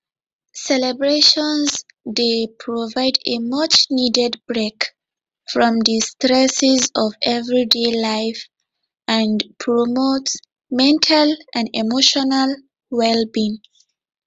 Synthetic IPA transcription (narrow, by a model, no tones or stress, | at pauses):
sɛlɛbɹeʃɔ̃nz | depʰɹɔvaɪdemʌt͡ʃnidɛdbɹek | fɹɔ̃mdistɹɛsɪzɔvɛvɹidelaɪf | ə̃npʰɹɔmot | mɛ̃ntʰalʔãnimoʃɔnal | wɛlbĩn